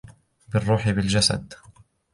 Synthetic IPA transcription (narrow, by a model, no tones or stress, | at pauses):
bɪrˤːuːħɪbɪld͡ʒasa̰d̪